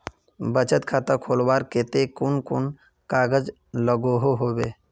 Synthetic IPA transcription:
bət͡ʃət̪kʰat̪akʰolbaɾket̪ekʊnkʊn | kaɡəd͡ʒ | ləɡoɦoɦobe

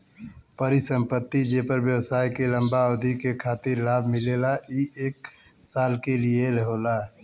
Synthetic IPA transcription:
pəɾisə̃mpət̪ːid͡ʒepəɾbjəwsaːjkeləmbaəd̪ʱikekʰaːt̪ɪɾlaːbʱmɪlelaiʔeːk | saːlkelieləɦoːla

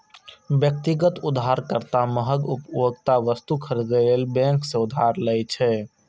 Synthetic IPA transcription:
bjək̚t̪iɡət̪ʊd̪ʱɦaɾkəɾt̪aməɦəɡupjoɡt̪aʋəst̪ukʰəɾd͡ʒəlelbɛ̃ŋksẽʊd̪ʱaɾləjt͡ʃʰɛ

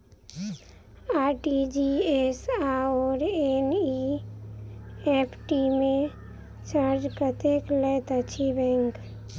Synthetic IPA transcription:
aʈid͡ʒiesaɔːɾeni | epʰʈimẽ | t͡ʃaɾd͡ʒkət̪eklet̪ət͡ʃʰibɛ̃ŋk

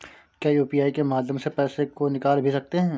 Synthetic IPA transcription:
kjaːjuːpiaːikemaːd̪jə̃msepɛːsekonɪkaːlbʱisɐk̚t̪eɦɛ̃ː

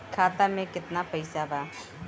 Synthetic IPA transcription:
kʰaːt̪amẽkɪt̪napɐɪsabʱaː

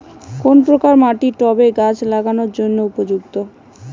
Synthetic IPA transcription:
konpɾokaɾmaʈiʈɔbeɡat͡ɕlaɡanoɾd͡ʑonːoupod͡ʑuɡt̪o

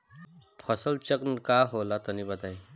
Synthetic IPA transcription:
pʰəsəlt͡ʃəknkaɦolat̪ənibət̪ai

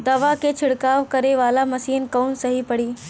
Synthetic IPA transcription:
d̪ɐʋaket͡ʃʰɪɽkaːʋkɐɾeʋaːlamɐsiːnkɔːnsɐɦipɐɽiː

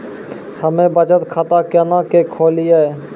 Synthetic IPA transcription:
həmẽbət͡ʃət̪kʰat̪akɛnakekʰoːliɛ

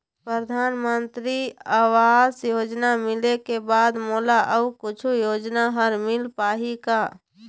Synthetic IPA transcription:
pɾəd̪ʱaːnmənt̪ɾiawaːzjoːd͡ʒnamɪlekebaːd̪molaʔəukʊt͡ʃʰujoːd͡ʒnaɦəɾmɪlpaːɦika

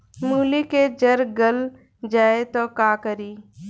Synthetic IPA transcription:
muːliked͡ʒɐɾɡəl | d͡ʒaːet̪okaːkəɾiː

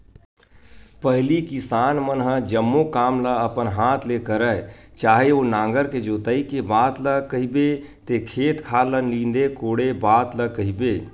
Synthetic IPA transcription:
pəɦlikisaːnmənɦəd͡ʒəmːokaːmləəpənɦaːt̪ʰlekəɾət͡ʃaːɦeonãːŋɡəɾked͡ʒoːt̪əikebaːt̪ləkəɦibe | t̪ekʰeːt̪kʰaːlənlĩnd̪ekoːɽebaːt̪ləkəɦibeː

